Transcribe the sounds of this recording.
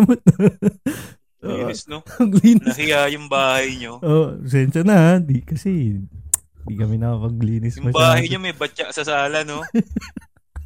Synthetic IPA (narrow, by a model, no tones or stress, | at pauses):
mot̪̚nɐ | ʔoːiɪsnoɐɡliːnnɪɐkɪjajʊŋbaːhɐjɲoʔoːʔs̬ɛnʃɐnɐd̪ikɐsɛ | d̪ikɐmɪnɐɐmɐɡ̚liːnɪsjʊmɐʃbaːhɐjɲomɐjbɐt͡ʃaʔsɐsaːlɐno